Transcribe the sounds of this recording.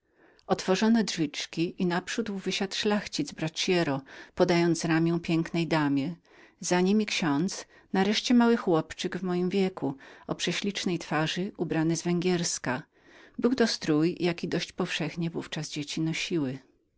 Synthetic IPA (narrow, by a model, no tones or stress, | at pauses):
ɔt̪fɔʐɔnɔdʐvʲit͡ʂkʲiʔinapʂud̪wvɘɕat̪ʂlaxt͡ɕid̪zbɾat͡ɕjɛɾɔpɔd̪ajɔnt̪sɾamʲjɛw̃pʲjɛŋknɛjd̪amʲjɛ | zaɲimʲikɕɔnt̪s | naɾɛʂt͡ɕɛmawɘxwɔpt͡ʂɘɡvmɔjimvʲjɛkuɔpʂɛɕlʲit͡ʂnɛjt̪faʐɘʔubɾanɘzvɛŋɡʲjɛɾska | bɘwt̪ɔst̪ɾujjakʲid̪ɔɕt͡ɕpɔfʂɛxɲɛvuft͡ʂazd͡ʑet͡ɕinɔɕiwɘ